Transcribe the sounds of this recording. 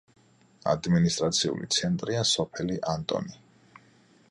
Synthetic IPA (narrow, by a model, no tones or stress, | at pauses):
a̰d̪minist̪ʼɾat̪sʰiṵlḭt̪sʰɛnt̪ʼɾiasɔpʰɛliʔant̪ʼɔ̰ni